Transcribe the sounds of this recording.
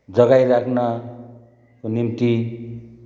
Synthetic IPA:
d͡zʌɡajrakʰna | konimt̪i

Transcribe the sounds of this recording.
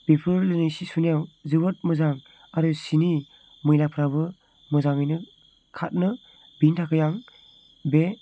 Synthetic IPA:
bipʰɯɾlɯnɯjsisunijawzɯbɯt̚mɯzaŋ | aɾusini | mɯjlak̚pʰɾabɯ | mɯzaŋɯjnɯ | kʰat̚nɯ | bintʰakʰɯjaŋ | be

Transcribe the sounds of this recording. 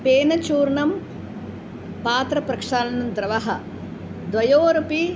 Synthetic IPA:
peːnɐt͡ʃuːɾɳɐm | paːt̪ɾɐpɾɐkʂaːlɐnɐmd̪ɾɐʋɐɦɐ | d̪ʋɐjoːɾɐpi

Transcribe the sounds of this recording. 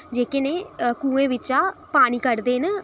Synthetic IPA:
d͡ʒeːkeneːkũːẽːʋɪt͡ʃaːpaːniːkəɾd̪eːn

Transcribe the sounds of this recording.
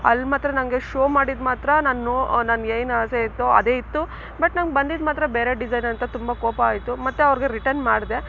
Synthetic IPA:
ɐ̰lːmaːt̪ɾɐnɐŋɡeʃoːmaːɽid̪maːt̪ɾɐnaːnːunaːnɡejnaːseit̪ːoɐ̰d̪eːit̪ːu | bɐʈnɐnɡ̚bɐnd̪id̪maːt̪ɾɐbeːɾeɖid͡ʒɐjnɐnt̪ɐt̪umbɐkoːpɐaːjt̪umɐt̪ːeɐʋɾɡe̞ɾiʈɐnmaːɽd̪e̞

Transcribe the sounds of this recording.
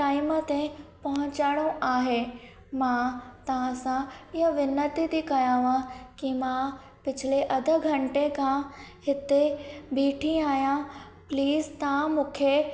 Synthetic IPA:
ʈaːɪmət̪ẽpɐɦʊ̃ɲt͡ɕaːɽ̃õʔaːɦeː | mãt̪ɐʋ̤ãsãɪɦəʋɪnət̪it̪ikɐjãːʋãkimã | pɪt͡ɕʰɪleʔɐd̪ʱə̆ɡʱɐ̃ɳʈekãhɪt̪ebiːʈʰĩaːɦijã | pliːzt̪ɐãmũːkʰe

